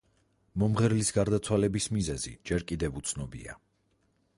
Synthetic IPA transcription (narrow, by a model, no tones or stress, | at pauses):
mɔmʁɛɾlisɡaɾd̪at̪sʰwalɛbismizɛzḭd͡ʒɛɾkʼid̪ɛvut̪sʰnɔbḭa̰